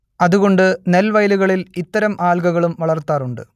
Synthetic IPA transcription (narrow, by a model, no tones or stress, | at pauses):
ɐðuɣo̞ɳɖɨne̞lʋɐjluɣɐɭilit̪ːɐɾɐmʔaːlɡɐɣɐɭumʋɐɭɐrt̪ːaːruɳɖɨ̰